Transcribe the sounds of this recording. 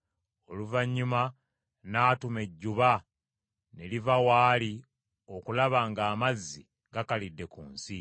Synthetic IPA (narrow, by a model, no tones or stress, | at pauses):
o̞luvaɲːuma | naːtume̞ɟːuβa | ne̞livawaːli | o̞kulaβaːŋɡaːmazːi | ɡakalidːe̞kuːnsi